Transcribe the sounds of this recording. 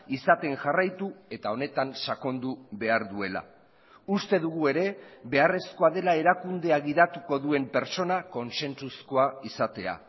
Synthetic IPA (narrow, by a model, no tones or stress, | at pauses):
isat̪e̞nʝarajt̪ue̞t̪ao̞ne̞t̪ansako̞nd̪uβe̞aɾðue̞la̰ | ust̪e̞ðuɣ̞ue̞ɾe̞βe̞are̞sko̞aðe̞lae̞ɾakund̪e̞aɣiðat̪uko̞ðue̞mpe̞ɾt͡so̞nako̞nse̞nt͡susko̞aisat̪e̞a̰